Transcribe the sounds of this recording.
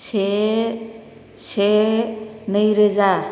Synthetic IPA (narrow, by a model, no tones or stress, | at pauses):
sʰe | sʰe | nəjɾed͡za